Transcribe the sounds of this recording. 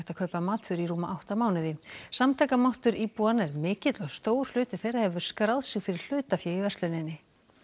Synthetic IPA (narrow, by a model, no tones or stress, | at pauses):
t̪aðkʰœpamaːt̪fʏɾiɾuːmaʔawht̪amaːwnɪðɪsamt̪ʰɛjkamawht̪ʏɾipuanɛɾmɪːcɪt̪lɔst̪oːwɾ̥l̥ʏːt̪ɪ̥θejrahɛvʏ̥skɾawðsɪɣfɪɾɪɾ̥l̥ʏːt̪afjɛɪvɛrslʏnɪnːɪ